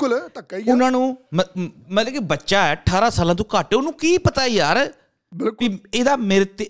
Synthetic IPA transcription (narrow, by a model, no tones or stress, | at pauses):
ʊlt̪əkːaiʊnãːnũːməmə̃lɛ̃ːkibətːʃaːɛːʈʰaːɾaːsaːlãːt̪õːkaʈeʊnũːkiːpət̪aːiːjaːɾ | kkieːd̪aːmɪɾət̪